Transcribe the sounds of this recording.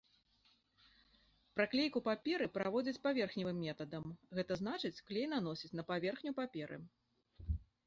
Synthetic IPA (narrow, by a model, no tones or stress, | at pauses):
pɾɐklʲejkupapʲɛɾɨpɾavɔd͡zʲɐt͡sʲpavʲɛrxnʲivɨmːʲɛt̪ɐd̪ɐmɣɛt̪ɐzn̪at͡ʂɨt͡sʲklʲejnanɔsʲit͡sʲn̪ɐpavʲɛrxnʲupapʲɛɾʔɨ̰